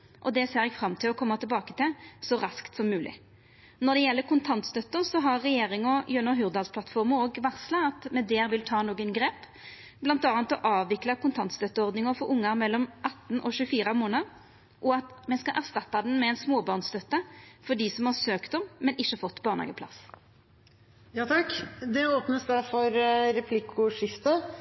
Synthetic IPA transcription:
ʔɔd̪ɛseːɾɛɡfɾɑmt̪ʰɪlɔkʰɔmːɑt̪ʰɪlbɑːkət̪ʰɪlsɔɾɑskt̪sɔmːʉːlʔɪ̰ | nɔʁd̪ɛjɛlːəkʊnt̪ʰɑnt̪st̪œt̪ːəʁsɔɦɑʁːɛjeːʁɪŋɔjœnːɔɦʉːʁd̪ɑlspʰlɑt̪fɔʁməoːɡʋæʁslɑɑt̪mɛd̪ɛːɾʋɪlt̪ʰɑːnoːɡənɡɾeːp | blɑnt̪ɑːnt̪ɔʔɑːʋʋɪklɑkʊnt̪ʰɑnt̪st̪œt̪ːəɔʁd̪nɪŋɔfɔɾʊŋːɑmɛlːɔmʔɑt̪ːn̩ɔʃʉːfiːʁəmoːnəd̪ | ʔɔɑt̪mɛskɑʔæʁst̪ɑt̪ːɑd̪ɛnmɛɛɪnsmoːbɑʁnst̪œt̪ːəfɔd̪isɔmhɑʁsøːkt̪ɔmmɛnɪʃːəfɔt̪ːbɑːʁnhɑ̰ɡəplɑ̰s | jɑːt̪ʰɑkːd̪ɛoːpnəsd̪æɾfɔɾɾɛpʰlɪkʰʊʂɪft̪ə

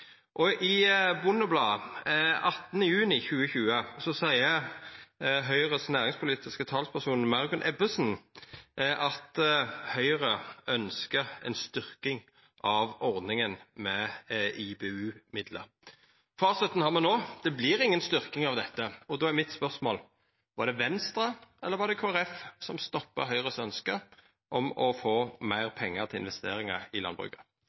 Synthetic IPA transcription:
ʔɔʔɪbʊnɔblɑː | ɑt̪ːnəjʉːnɪçʉːəçʉːəsɔsæɪə | ɦœʏʁəsnæːʁɪŋspʰʊliːt̪ɪskət̪ʰɑlspʰæʁsuːnmɑʁɡʉnʔɛbəsn | ʔɑt̪hœʏʁəœnskəʁɛ̰nst̪ʏʁkɪŋ | ʔɑʋɔʁd̪nɪŋənmɛɪbeːʉːmɪd̪lə̰ɾ | fɑːsɪt̪ən̩hɑʁmɛnoːd̪̥ɛblɪɾɪŋːənst̪ʏʁkɪŋɑʋd̪ɛt̪ːəɔd̪oːæɾmɪt̪spœʁsmoːl | ʋɑd̪ɛʋɛnst̪ɾɑɛlːəɾʋɑd̪ɛkʰoːæɾɛfsɔmst̪ɔpːə̰ɦœʏʁəsœnskə | ʔɔmɔfoːmæɪʁpʰɛŋːət̪ʰɪɪ̰nʋɛst̪eːɾɪŋɑɪlɑ̰nbʁʉ̰kə

